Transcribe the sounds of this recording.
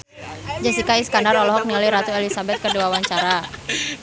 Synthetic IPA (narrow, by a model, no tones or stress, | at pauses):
d͡ʒasikaiskandaɾɔlɔɦɔk̚niləjɾat̪uelisabɛt̪̚kərduwawaɲt͡ʃaɾa